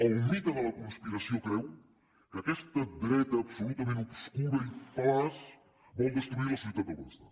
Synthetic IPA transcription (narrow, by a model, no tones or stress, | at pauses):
ɐwmit̪ɐlˠɐlɐkõnspiɾɐsjõkɾɛw | kɐkɛst̪ɐd̪ɾɛt̪ɐːbsolut̪ɐmẽnt̪skuɾɐiflas | βɐ̃wd̪est̪ɾuiɾɐsiit̪ɐpɾɐpɔst̪ɐ